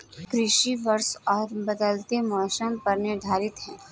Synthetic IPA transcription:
kɾɪʃiʋɐɾsɔːɾbɐd̪əlt̪emɔːʃənpɐɾneɖʱaːɾɪt̪ɦɛ̃ː

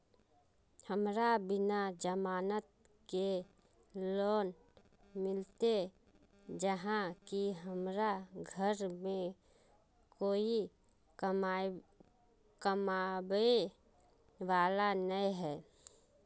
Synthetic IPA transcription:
həmɾabɪnad͡ʒəmaːnət̪̚ | ke | loːn | mɪlt̪e | d͡ʒəɦãkiɦəmɾaɡʱəɾmẽ | koːi | kəmabe | ʋaːlanəiɦɛː

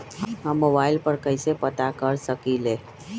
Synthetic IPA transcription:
ɦɦəmːobaɪlpəɾkəɪsepət̪akəɾsəkile

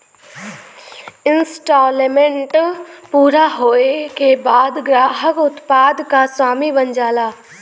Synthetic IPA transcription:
ɪnsʈɔːlmẽɳʈpuːɾaɦoːekebaːd̪ɡɾaːɦəkʊt̪paːd̪kaswaːmibɐɲd͡ʒaːlaː

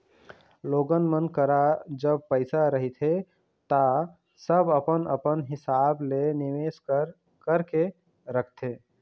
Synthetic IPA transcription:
loːɡənmənkəɾad͡ʒəb̚pəɪsaɾəɦit̪ʰe | t̪a | səbəpənə̰pənɦɪsaːblenɪʋeskəɾ | kəɾke | ɾəkʰt̪e

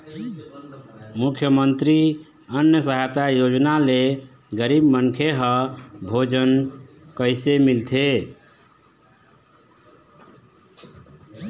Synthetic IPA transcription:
mukʰjəmənt̪ɾi | ənjəsəɦat̪ajod͡ʒnaleɡəɾibmənkʰeɦʌbʱod͡ʒən | kəɪsemilt̪ʰe

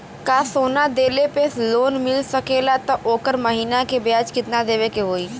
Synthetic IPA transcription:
kaːsoːnad̪eːlepesloːnmɪlsɐkeːlat̪ɔʔoːkəɾməɦiːnakebjaːd͡ʒkɪt̪nad̪eːʋekeɦoːiː

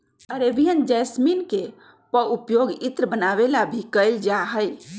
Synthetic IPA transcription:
əɾebijənd͡ʒɛsminke | pəupjoɡit̪ɾəbənaβelabʱikəɪld͡ʒaɦəj

